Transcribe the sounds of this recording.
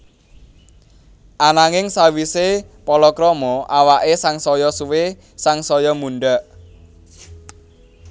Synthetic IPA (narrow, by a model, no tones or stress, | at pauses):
ʔanaŋɪŋsawisepɔlɔkɾɔmɔʔawaʔesaŋsɔjɔsuwe | saŋsɔjɔmuɳɖəʔ